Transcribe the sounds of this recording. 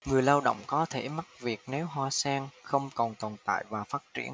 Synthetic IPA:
ŋɨ˨˩əjlaː˧wɗə̰˧˨wŋ͡mkɔ˨˦t̪ʰe˧˩ma˦˥t̚vi˨˩ək̚ne˨˦wɦwaː˧sɛː˧ŋxə˧wŋ͡mkɔ˨˩nt̪ɔ˨˩nt̪a̰ː˧˨jvaː˨˩faː˦˥t̚t͡ɕḭ˧˩ən

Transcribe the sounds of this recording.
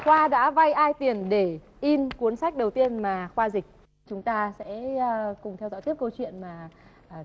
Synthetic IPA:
xwaː˧ɗa̰ː˧˥va˧jʔaː˧jt̪i˨˩ənɗe˧˩ | ʔi˧nkwu˨˦ənsa˦˥jk̚ɗə˨˩wt̪i˧ənmaː˨˩xwaː˧zï˨˩k̚ | t͡ɕʊ˨˦ŋ͡mt̪aː˧sɛ̰ː˧˥˧kʊ˨˩ŋ͡mt̪ʰɛ˧wzɔ̰˧˥jt̪i˦˥əp̚kə˧wt͡ɕwḭ˧˨ənmaː˨˩˨

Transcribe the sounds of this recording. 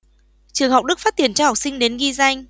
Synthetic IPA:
t͡ɕɨ˨˩əŋɦa˨˩wk͡p̚ɗɨ˦˥k̚faː˦˥t̚t̪i˧˩ənt͡ɕɔ˧ha˨˩wk͡p̚sï˧ŋ̟ɗe˨˦nɣi˧za˧jŋ̟

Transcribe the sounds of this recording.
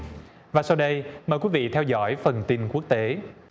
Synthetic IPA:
vaː˨˩sa˧wɗə˧jməː˨˩jkwi˨˦vḭ˧˨t̪ʰɛ˧wzɔ̰˧˥jfə˨˩nt̪i˧nku˦˥ək̚t̪e˨˦

